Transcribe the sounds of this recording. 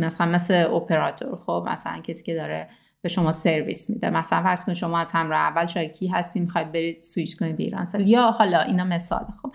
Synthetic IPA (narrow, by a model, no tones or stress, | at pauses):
mæsælænmesleopʰe̞ɾɒːt̪ʰo̰ɾxob̥mæ̰sælæ̰ncʰesi̥ːcʰe̞d̪ɒːɾe | b̥eʃo̞mɒːseɾvḭsmḭd̪emæsælænfæɾzkonʃo̞mɒːæz̥hæmɾɒːheævːælʃɒːjɑ̥cʰiːɦæst̪imixɒjd̪̚be̞ɾiːd̪̥suit͡ʃkʰonid̪̚beḭːɾɒ̰ːnseljɒːhɒlɒʔinɒːme̞sɒ̰ːlexob̥